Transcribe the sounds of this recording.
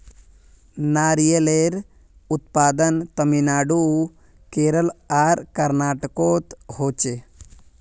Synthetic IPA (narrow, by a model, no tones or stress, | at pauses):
naːɾijeleːɾ | ut̪̚paːd̪ənt̪ɐminaːɖu | keːɾəlaːɾkɐɾnaːʈɐkoːt̪ɦoːt͡ʃe